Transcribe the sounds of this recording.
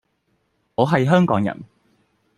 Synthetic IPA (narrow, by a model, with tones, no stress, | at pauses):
ŋɔː˨˧ɦɐ˨jɦœː˥ŋkɔː˨˥ŋjɐ̰˨˩n